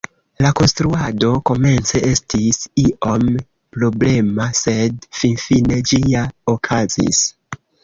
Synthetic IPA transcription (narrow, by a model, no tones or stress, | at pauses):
lako̞nstɾuado̞ko̞me̞nt͡se̞ʔe̞stisiʔo̞m | pɾo̞ble̞mase̞dfinfine̞d͡ʒiaokʰazḭs